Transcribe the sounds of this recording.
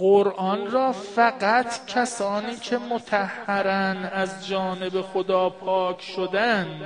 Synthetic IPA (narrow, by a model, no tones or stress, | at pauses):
ɢoɾʔɒːnɾɒːfæɢæt̪ʰcʰæsɒːniːcʰe̞mot̪ʰæhhːæɾænæzd͡ʒɒːne̞be̞xod̪ɒːpʰɒːkʰʃod̪ænd̪